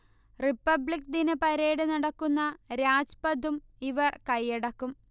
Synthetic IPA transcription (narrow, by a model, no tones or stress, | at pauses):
ripːɐbɭikd̪inɨpɐɾe̞ːɽɨnɐɽɐkːunːɐɾaːd͡ʑpɐd̪umiʋɐrkɐjːeɽɐkːum